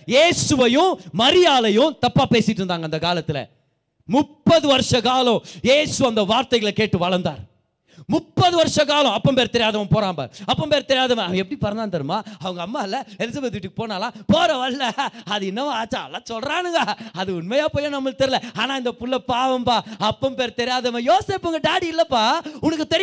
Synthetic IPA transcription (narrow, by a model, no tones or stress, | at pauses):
jeːsɯʋɐjʊ̃mɐɾɪjaːlɐjʊ̃t̪ɐpːaːpeːsɪʈːɯɾɯnd̪aːŋɡɐɪnd̪ɐkaːlɐt̪ːɪlɐ̰ | mʊpːɐðɯʋɐɾʂɐkaːlɔ̃jeːsɯɐnd̪ɐʋaːɾt̪ɐɪɣɐɭɐkeːʈːɯʋɐɭɐnd̪a̰ːɾ | mʊpːɐðɯʋɐɾʂɐkaːlɐ̃ɐpːɐ̃mpeːɾɐt̪ɛɾɪjaːðɐʋɐ̃poːɾaːmba̰ːɾɐpːɐ̃mpeːɾɐt̪ɛɾɪjaːðɐmɐ̃nɐʋɐɡɛpːɐɽipɐɾɐnd̪aːnt̪ɐɾɯmaːɐʋɐŋɡɐːmːaːɪlːɐɛlɪs̬aːbeːt̪ʋiʈːɯkːɯpoːnaːlãːpoːɾɐʋɐlːɐɐðɯɪnːɐʋãaːt͡ʃːaɐlːãːsɔlɾaːnɯŋɡaːɐðɯʊnmɐjaːpoːjɐ̃nɐmːɐɭt̪ɛɾɪlɛaːnaːɪnd̪ɐpʊlːɐpaːʋɐmpaːɐpːɐ̃mpeːɾɐt̪ɛɾɪjaːðɐmɐ̃joːseːpːɯŋɡɐɖaːɽiɪlːɐpːaːʊnɐkːɯt̪ɛɾɪ